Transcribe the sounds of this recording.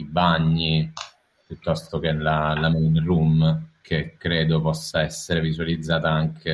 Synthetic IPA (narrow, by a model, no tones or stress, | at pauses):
ibaɲːi | pjut̪ːɔst̪ok̟enlalamɛjnrumkʰekːɾeːd̪opɔsːaɛsːeɾevizualid̪zːaːt̪aaŋkʰe